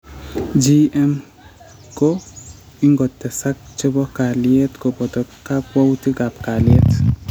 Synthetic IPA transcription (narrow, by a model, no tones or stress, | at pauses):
d͡ʒiɛm | kɔ | iŋɡɔt̪ːɛsak̚t͡ʃebɔkaliet̪kɔpɔt̪ɔkːakwawt̪iɡapkaliet̪